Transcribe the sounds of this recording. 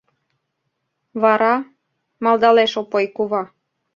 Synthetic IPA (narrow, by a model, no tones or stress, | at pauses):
βɑɾɑ | mɑlˠd̪ɑleʃopojkuβɑ